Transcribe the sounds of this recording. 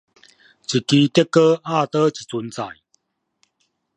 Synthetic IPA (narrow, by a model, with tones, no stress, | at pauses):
t͡ɕi˨˩ki˧˦t̪ɛ˦˥kːə˦a˥˨t̪ə˦t͡ɕi̥˨t͡su˨˦nt͡sa̰˨˩j